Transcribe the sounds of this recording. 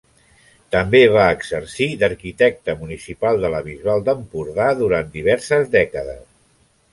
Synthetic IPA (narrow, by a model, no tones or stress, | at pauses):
t̪əmbeβaəɡzəɾsid̪əɾkit̪ɛk̚t̪əmunisipalˠd̪ələβizβalˠd̪əmpuɾðaðuɾant̪d̪iβ̞ɛɾsəzðɛkəðə̰s